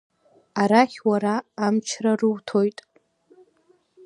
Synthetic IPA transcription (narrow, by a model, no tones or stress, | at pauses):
aɾaχʲwaɾaːmt͡ʃʰrarɨwtʰo̞jtʼ